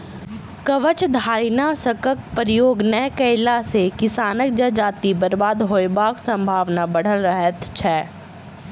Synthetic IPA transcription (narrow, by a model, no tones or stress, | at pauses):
kəʋət͡ʃd̪ʱaːɾnasəkək̚pəɾɪjoːɡnəjkəɪlasekɪsaːnək̚d͡ʒad͡ʒaːt̪ibəɾbaːd̪ɦoːjbaːksə̃mbʱaːʋnabɐɽ̤əlɾəɦət̪t͡ʃʰɛː